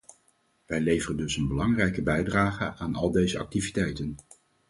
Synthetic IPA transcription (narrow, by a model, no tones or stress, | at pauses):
ʋɛjlejvərəndɵsənbəlɑŋrɛjkəbɛjdraːχəʔaːnɑlˠdejzəɑ̰k̚tivitɛjtən